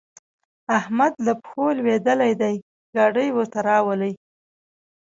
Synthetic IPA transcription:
ahmad̪lapxolwed̪əlajd̪aj | ɡɑɖəjwəɾt̪aɾɑwələj

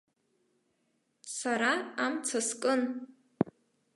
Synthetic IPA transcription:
saɾaamt͡sʰaskʼɨn

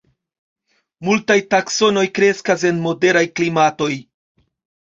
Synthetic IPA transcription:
multajtakso̞no̞jkɾe̞skas̬e̞nmo̞de̞ɾajklimato̞j

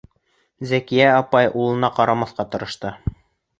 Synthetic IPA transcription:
zækijæɑpɑjʔulˠɤ̆nɑqɑɾɑmɑθqɑt̪ɤ̆ɾɤ̆ʃt̪ɤ

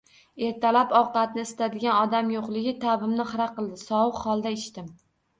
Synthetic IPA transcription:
e̞ɾt̪ʰalapɒwqɑt̪̚nɪɪst̪ʰad̪ɪɡʲanɒd̪amjoqlˠɪɡʲɪt̪ʰabɪmnɪχɨɾaqɨlˠd̪ɪsɒwɨqhɒlˠd̪aɪʃt̪ɪm

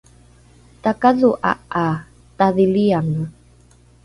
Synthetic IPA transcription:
t̪akaðuʔa̰a | t̪aðiliaŋa

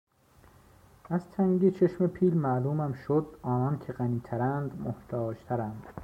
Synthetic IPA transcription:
æzt̪ʰæŋɟet͡ʃʰeʃmepʰiːlmæluːmæmʃod̪ɒːnɒːncʰe̞ɢæniːt̪ʰæɾænd̪moht̪ʰɒːd͡ʒt̪ʰæɾænd̪̥

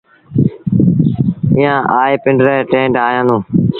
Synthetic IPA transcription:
ɪjãːʔaːeːpɪ̃ɳɖɾeːʈẽːɳɖaːjãːd̪ũː

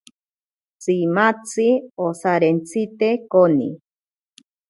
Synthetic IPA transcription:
t͡simat͡siosaɾent͡sit̪ekonḭ

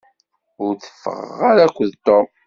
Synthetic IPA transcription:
ʊɾθə̥fːə̰ʁə̰ʁaɾækʷːəðt̪om

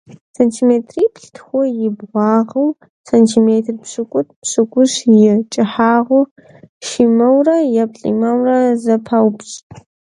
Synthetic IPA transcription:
sɐntʰiːmeːtʰriːpʰɬtʰxʷɔjɪbʁʷɑːʁɐw | sɐntʰiːmeːtʰrpɕʼɨkʷʼʊt̚ʰpɕɨkʷʼʊɕjɪt͡ʃʼɪħaːʁʷʊ | ʃimɐwrɐjɐpɬʼḭmɐwrɐzɐpʰɐwpɕʼ

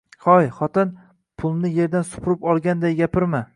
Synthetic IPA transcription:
hɒjχɒt̪ɪn | pʰʊlˠnɪje̞ɾd̪ansʊ̥pʰʊɾɪpɒlˠɡʲand̪ajɡʲapɪɾma

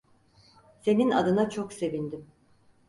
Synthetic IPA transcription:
se̞nina̰d̪ɯnat͡ʃʰokse̞vind̪im

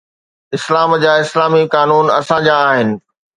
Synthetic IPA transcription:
ɪslaːmd͡ʑaːɪslaːmikaːnuːnɐ̰sãd͡ʑaːɦɪnɪ̆

